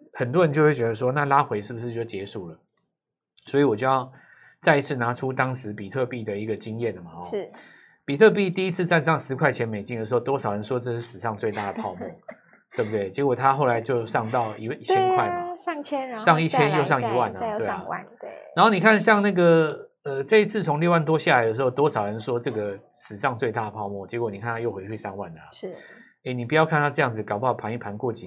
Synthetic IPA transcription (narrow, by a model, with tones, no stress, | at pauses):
xə˨˩nt̪wɔ˥ɻə˧˦nt͡ɕjo˥˧ʊwe˥˩t͡ɕɥɛ˧˥d̪ə˧ʂ̬wɔ˥na˥˧la˥xwe˧˥ɪʂɻ̩˥˩bu˩ʂɻ̩˥˧t͡ɕjo˥˩t͡ɕjɛ˧˥ʂu˨˩lə˩ | swɔ˧˥i˨wɔ˨˩t͡ɕjo˥˧jɑ˥˩ʊ | t͡sa˥˧ɪi˧˥t͡sʰɹ̩˥˩na˧˥˦ʈ͡ʂʰu˦t̪ɑ˥ŋʂɻ̩˧˦pi˨˩t̪ʰɤ˥˧pi˥˩d̪ə˩i˧˥ɡə˨t͡ɕi˦˥ŋjɛ˥˩nə˩ma˩ɔ˧˦˥ | pi˨˩t̪ʰɤ˥˧p̬i˥˧t̪i˥˧i˦˥t͡sʰɹ̩˥˧t͡sa˥˧nʂɑ˥˩ŋʂɻ̩˧˥kʰwa˥˩ɪt͡ɕʰjɛ˧˥˦nme˨˩ɪt͡ɕi˥nə˩ʂɻ̩˧˥o˥˧ʊt̪wɔ˥ʂɑ˨˩ɻə˧˦nʂwɔ˥ʈ͡ʂɤ˥˧ʂ̩˥˩ʂɻ̩˨˩ʂɑ˥˧ŋt͡swe˥˧ɪt̪a˥˩d̪ə˩pʰɑ˥˧ʊmu˥˩ | t̪we˥˧˩bu˩t̪we˥˩ɪt͡ɕɛ˧˥kwɔ˨˩t̪ʰa˦xo˥˩ʊla˧˥ɪt͡ɕjo˥˧ʊʂɑ˥˧ŋt̪ɑ˥˨˩ʊi˧˥i˥˩t͡ɕʰɛ˥nkʰwa˥˩˧ | ʂɑ˥˧ŋi˥˩t͡ɕʰjɛ˦˥njo˥˧ʊʂɑ˥˩ŋi˧˥wa˥˨˩nɐ˨˩t̪we˥˩ɪ̰˨˩˥na˨˦nxo˥˩ni˨˩kʰa˥˩nɕjɑ˥˧ŋna˥˩ɡə˨˩ | ə˩ʈ͡ʂɤ˥˧i˥t͡sʰɹ̩˥˩t͡sʰʊ˧˥ŋljo˥˧wa˥˩nt̪wɔ˥ɕja˥˨la˨˧ɪd̪ə˧ʂ̬ɻ̩˧˥xo˥˧ʊt̪wɔ˥ʂɑ˨˩ʊɻə˧˦nʂwɔ˥ʈ͡ʂɤ˥˩ɡə˩ | ʂɻ̩˨˩ʂɑ˥˧ŋt͡swe˥˧ɪt̪a˥˩d̪ə˩pʰɑ˥˧ʊmwɔ˥˩t͡ɕɛ˧˥kwɔ˧˩ni˨˩kʰa˥˧nt̪a˥jo˥˩ʊxwe˧˥t͡ɕʰi˥˧ʂa˥˧ŋwa̰˥˩n˨˩ | e˥˩ɪni˨˩pu˧˩jɑ˥˧ʊkʰa˥˧nt̪ʰa˥˧ʈ͡ʂɤ˥˧jɑ˥˩ŋd͡zɹ̩˨kɑ˨˩ʊppʰa˧˥ni˥˩pʰa˧˥nkwɔ˥˧t͡ɕḭ˨˩